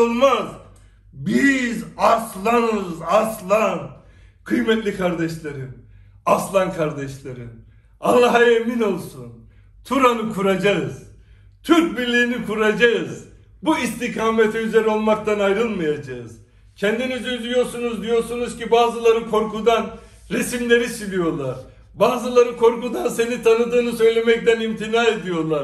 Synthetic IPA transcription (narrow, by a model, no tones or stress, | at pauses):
ɯlˠmaz | bizaslˠanɯzaslˠan | kʰɯjmɛt̪lʲikʰaɾd̪ɛʃlʲˠaɾɯm | aslˠankʰaɾd̪ɛʃlˠaɾɯm | alˠːaɦaemino̞lˠsun | t̪ʰuɾanɯkʰuɾad͡ʒaɯz̥ | t̪ʰyɾc̚biɾlʲiːinikʰuɾad͡ʒaɯz | buist̪ʰikʰaːmet̪ʰiyze̞ɾɛo̞lˠmakt̪ʰanajɾɯlˠmajad͡ʒaɯz̥ | cʰɛnd̪inyzynd̪ijo̞ɾsunuzd̪ijo̞ɾsunuz̥cibaːzɯlˠaɾɯkʰo̞ɾkud̪an | ɾesimlʲe̞ɾisilʲijo̞lˠaɾ̥ | baːzɯlˠaɾɯkʰo̞ɾkud̪anse̞nit̪ʰanɯd̪ɯːnɯsø̞jlʲe̞mɛc̚t̪ænimt̪ʰinaːe̞d̪ijo̞lˠaɾ